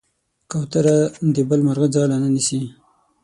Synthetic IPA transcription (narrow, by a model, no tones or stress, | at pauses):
kawt̪aɾad̪ebəlmaɾɣazɑlananisi